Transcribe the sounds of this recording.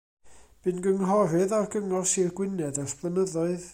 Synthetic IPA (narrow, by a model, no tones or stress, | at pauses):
b̥ɨnɡəŋɦɔɾɨðarɡəŋɔrsirɡwɪnɛðasb̥lˠənəðɔɨð